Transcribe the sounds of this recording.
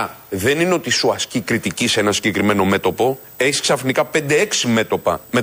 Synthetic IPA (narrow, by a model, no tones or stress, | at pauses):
ðe̞nineo̞t̪isuɐscikɾit̪iciseenɐsiɲɟe̞kɾime̞no̞me̞t̪o̞po̞ | e̞çisksɐfnikɐpe̞nd̪e̞eksime̞t̪o̞pɐme